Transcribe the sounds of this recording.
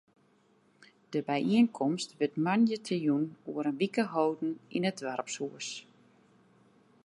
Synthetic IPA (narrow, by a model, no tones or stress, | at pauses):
d̥əbɛjʔiənkʰɔmstʋɪtmanjətʰəjunuəɾənʋikəɦowdn̩ḭnədʋɛrpsuəs